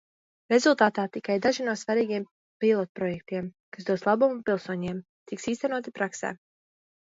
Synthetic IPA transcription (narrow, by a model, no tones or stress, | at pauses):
ɾe̞zulˠt̪aːt̪aːt̪ikajd̪aʒinuɔsvaɾiːɡijɛm | pilˠɔt̪̚pɾɔjɛk̚t̪iɛm | kasd̪uɔd̪slˠabumupilˠsuɔɲeɛm | t̪iksiːst̪ɛnuɔt̪ipɾaksɛ̰ː